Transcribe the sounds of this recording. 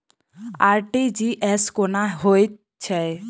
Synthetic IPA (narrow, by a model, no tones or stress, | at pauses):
aɾʈid͡ʒiʔɛskonaɦoj | t͡ʃʰɛ